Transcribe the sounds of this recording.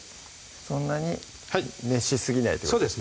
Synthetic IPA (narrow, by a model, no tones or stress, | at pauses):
sõ̞nːaɲ̟i | hame̞ɕisɨɡʲinaḭt̪osksoːd̪es